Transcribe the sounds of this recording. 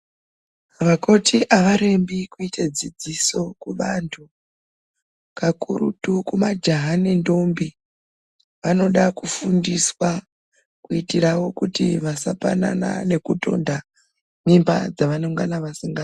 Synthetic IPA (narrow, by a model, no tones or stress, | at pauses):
ʋako̞tʰiʔaʋaɾe̞mbikuited͡zid͡ziso̞kuʋantʰu | kakuɾṵtukumad͡ʒaɦanendo̞mbi | ʋano̞ɗakufundiswa | kuitirawo̞kutiʋasapa̰na̰na̰ne̞kuto̞̰nda | mimba̰d͡zaʋano̞ŋɡanaʋasiŋɡa